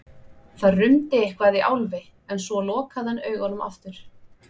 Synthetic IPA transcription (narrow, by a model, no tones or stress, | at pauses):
θaðrʏmt̪ɪehkvaðiʔa̰wlvɪ | ɛnsvɔlɔːkaðhanːœːɥɣanʏma̰ft̪ʏɾ̥